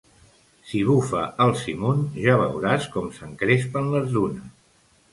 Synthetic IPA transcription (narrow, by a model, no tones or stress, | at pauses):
siβufəəlˠsimunʒaβ̞ə̰wɾaskɔmsəŋkɾespənləzðunəs